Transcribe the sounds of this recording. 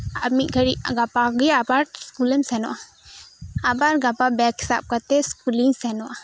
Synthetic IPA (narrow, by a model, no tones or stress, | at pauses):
abmiʔ̚ɡʱəɽiʔɡapaɡɛabaɾskulɛmsɛnɔʔa | abaɾɡapabɛkhi̥sa̰p̚kat̪ɛskuliŋsɛnɔʔa